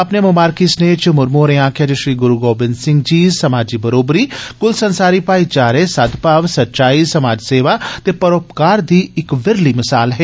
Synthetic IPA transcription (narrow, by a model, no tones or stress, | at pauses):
ɐpnemʊmaːɾkisneːt͡ʃmʊɾmoːɾẽãːkʰjaːd͡ʒeʃɾiːɡʊɾuɡoːbɪnsɪ̃ŋɡ̚d͡ʒiːsɐmaːd͡ʒibɐɾoːbɾiːkʊlsɐ̃nsaːɾipaːit͡ʃaːɾesɐd̪ʱpaːʋsɐtːt͡ʃaːisɐmaːd͡ʒseːʋat̪epɐɾoːpkaːɾd̪iːɪkʋɪɾlimɪsaːlɦɛː